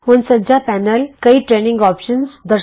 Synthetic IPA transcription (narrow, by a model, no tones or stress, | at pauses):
ʋənsəd͡ʑapænəlkəiʈɾenĩŋɡɔpʃənsd̪ə